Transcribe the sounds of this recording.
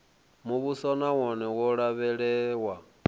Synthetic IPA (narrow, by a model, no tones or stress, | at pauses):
muβusɔnawɔnɛwɔɺaβɛɺɛwa